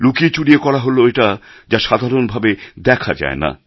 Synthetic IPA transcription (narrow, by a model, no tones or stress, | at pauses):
lukiet͡ɕuɽiekɔɾaɦoloeʈa | d͡ʑaʃad̪ʱaɾonbʱabed̪ɛkʰad͡ʑa̰ena̰